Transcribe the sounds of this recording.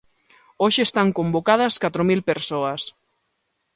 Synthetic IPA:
oʃeest̪aŋkombokaðɐskat̪ɾomilpeɾsoɐs

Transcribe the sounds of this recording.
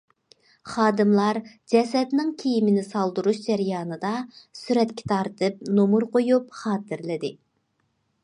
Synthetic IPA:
χɑːd̪ɨmlˠɑɾ | d͡ʒɛsɛd̪nɪŋkʲʰejimɪnɪsɑlˠd̪uɾuʃd͡ʒɛɾjɑːnɨd̪ɑsyɾɛt̪kʲʰɛ̥t̪ʰɑɾt̪ʰɨp̚nomuɾqojupχɑːt̪ɨɾlɪd̪ɪ

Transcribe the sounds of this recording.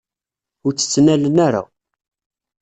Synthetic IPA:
ʊɾt͡sːə̥t͡sːnælənaɾa̰

